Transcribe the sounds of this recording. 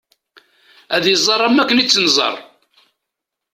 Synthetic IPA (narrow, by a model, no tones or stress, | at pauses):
æðjəzˤːɑɾˤæmːækːənit͡sːənzˤɑ̰rˤ